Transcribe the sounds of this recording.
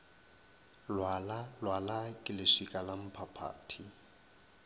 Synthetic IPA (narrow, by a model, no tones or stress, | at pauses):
lwalalwalakʼɪlɪsikʼalam̩pʰapʰa̰ːtʰi